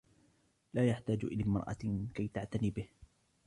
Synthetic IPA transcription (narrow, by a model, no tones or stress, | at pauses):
laːjaħt̪aːd͡ʒʔɪ̰laːmɑɾˤʔɑ̰kajt̪aʕt̪aniːbɪh